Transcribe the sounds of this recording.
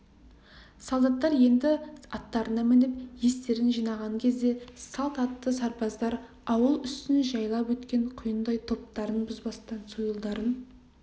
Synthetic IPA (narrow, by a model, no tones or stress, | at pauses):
sɑlˠd̪ɑt̪ːɑɾje̞nd̪ɪɑt̪ːɑɾənɑmɪnep̚je̞st̪e̞ɾɪnʒijnɑʁɑŋkʲʰe̞zd̪e̞sɑlˠt̪ɑt̪ːəsɑɾpɑzd̪ɑɾ | ɑwəlˠʏst̪ɪnʒɑjlˠɑpwɵt̪kʲe̞ɴqʰʊjənd̪ɑjt̪ʰo̞p̚t̪ɑɾənbʊzbɑst̪ɑnsujəlˠd̪ɑɾən